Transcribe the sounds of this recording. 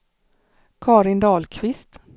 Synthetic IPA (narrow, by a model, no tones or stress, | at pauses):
kʰɑːɾɪnd̪ɑːlkʰvɪst̪